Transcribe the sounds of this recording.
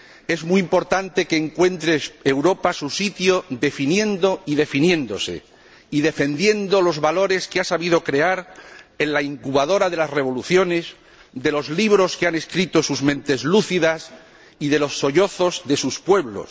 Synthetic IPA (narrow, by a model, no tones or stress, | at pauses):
e̞zmuimpo̞ɾt̪ant̪e̞keːŋkwẽ̞nt̪ɾe̞ewɾo̞pasusit̪joðe̞finjẽ̞nd̪o̞iðe̞finjẽ̞nd̪o̞se̞̰ | iðe̞fe̞nd̪je̞nd̪o̞lo̞zβalo̞ɾe̞skeasaβiðo̞kɾe̞aɾe̞nlaiŋkuβaðo̞ɾaðe̞lasre̞βo̞luθjo̞ne̞s | ðe̞lo̞zliβ̞ɾo̞skeane̞skɾit̪o̞suzmẽ̞nt̪e̞zluθiðas | iðe̞lo̞sːo̞ʎo̞θo̞zðe̞suspwe̞βlo̞̰s